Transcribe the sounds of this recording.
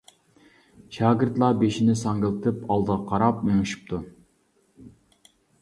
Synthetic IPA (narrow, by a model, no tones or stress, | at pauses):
ʃɑːɡʲɪɾt̪lˠɑbeʃinɪsɑŋɡɪlˠɨt̪ʰɨpɑlˠd̪əʁɑqʰɑɾɑp̚meŋɪʃi̥p̚t̪ʰu